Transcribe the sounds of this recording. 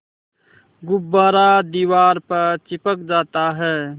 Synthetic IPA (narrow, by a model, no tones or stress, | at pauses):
ɡʊbːaːɾad̪iːwaːɾpəɾt͡ʃɪpəkd͡ʒaːt̪aɦɛː